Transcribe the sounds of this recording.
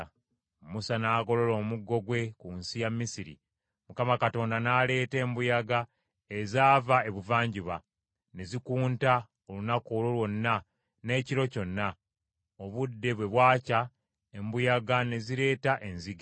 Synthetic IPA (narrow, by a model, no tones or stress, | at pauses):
musanaːɡo̞lo̞lo̞ːmuɡːo̞ɡwe̞kunsijamːisiɾḭ | mukamakato̞ːndanaːle̞ːte̞ːmbujaɡa | ezaːvae̞βuvaːɲɟiβa | ne̞zikuːnta | o̞lunakoːlo̞lwo̞nːa | ne̞ːciɾo̞co̞nːa | oβudːe̞βwe̞βwaːca | embujaɡane̞ziɾe̞ːtaʔe̞nziɡa